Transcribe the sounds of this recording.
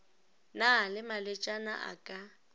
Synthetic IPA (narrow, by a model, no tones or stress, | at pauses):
nalɪmalɛt͡ʃʼana̰ʔa̰kʼa